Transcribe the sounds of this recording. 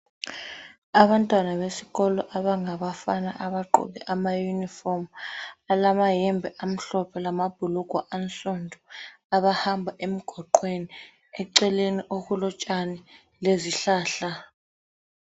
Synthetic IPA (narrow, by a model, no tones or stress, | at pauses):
aβantʼwanaβesi̥ɣɔlɔʔaβaŋaɓafana̰ʔaβaǃɔ̰ɓɛʔamajunifɔmalamajɛmbʱɛʔam̩ɬɔpʰɛlamab̥ʱuluɡ̥ʱwaʔanɬɔndʱɔ | aβahambʱaʔem̩ɡ̥ʱɔǃweni | ɛǀɛleniʔokulɔt͡ʃʼani | leziɬaːɬa